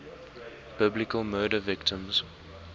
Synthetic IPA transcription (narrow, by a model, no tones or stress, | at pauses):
b̥ɪblɪkəlˠmɜːɾəvɪktʰə̃mz̥